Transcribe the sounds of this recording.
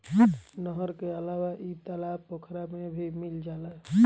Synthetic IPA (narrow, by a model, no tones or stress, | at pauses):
nəɦəɾkeəlawaʔit̪əlapəkʰɾamebʱimild͡ʒaːlaɦ